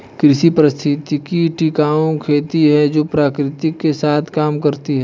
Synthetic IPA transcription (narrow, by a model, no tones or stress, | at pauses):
kɾɪʃipɾəst̪ʰɪt̪ikiʈikaːõkʰeːt̪iɦɛd͡ʒoːpɾaːkɾɪt̪ɪkːesaːt̪ʰkaːmkɐɾt̪iɦɛː